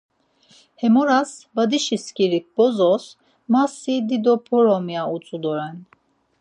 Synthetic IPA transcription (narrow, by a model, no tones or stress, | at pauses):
hɛmɔɾasbad̪iʃiskiɾik̚b̥ɔzɔs | masid̪id̪ɔpʰɔɾɔmjaut͡sʼud̪ɔɾɛn